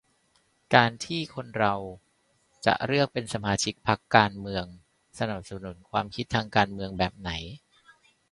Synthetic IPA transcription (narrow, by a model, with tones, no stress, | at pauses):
kaː˧nt̪ʰiː˥˩kʰo˧nɾa˧w | t͡ɕa̰˨˩ʔɾɯ˥˩ək̚pe˧nsa˧maː˧t͡ɕʰi˦˥k̚pʰa˦˥kːaː˧nmɯ˧əŋ | sa˧na˨˩p̚sa˧nu˩˦nkʰwaː˧mkʰi˦t̪ʰːaː˧ŋkaː˧nmɯ˧əŋbɛː˨˩p̚na˩˦j